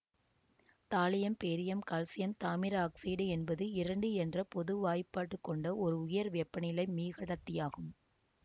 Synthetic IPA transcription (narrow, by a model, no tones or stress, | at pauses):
t̪aːlɐjɐmpeːɾɪjɐmkaːlsɪjɐmt̪aːmɪɾɐaːksiːɽɯɛnbɐðɯɪɾɐɳɖɯɛndrɐpɔðɯʋaːjpːaːʈːɯkːɔɳɖɐɔɾɯʊjɐɾʋɛpːɐnɪlɐɪmiːɣɐɽɐt̪ːɪjaːɣɯm